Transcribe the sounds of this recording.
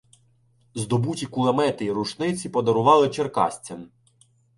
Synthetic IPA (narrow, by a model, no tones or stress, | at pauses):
zd̪ɔbutʲikʊlˠɐmɛt̪ɪiɾuʃnɪt͡sʲipɔd̪ɔɾʊʋɑlˠɪt͡ʃerkɑ̰sʲt͡sʲɐm